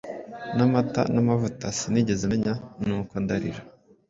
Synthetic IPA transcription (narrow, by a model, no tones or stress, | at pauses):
namata̰namavutasiniɟe̞zemeɲanuːkondaɾiɾa